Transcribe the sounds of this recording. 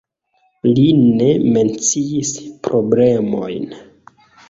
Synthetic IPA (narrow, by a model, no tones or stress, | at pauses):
line̞me̞nt͡siispɾoble̞mo̞̰jn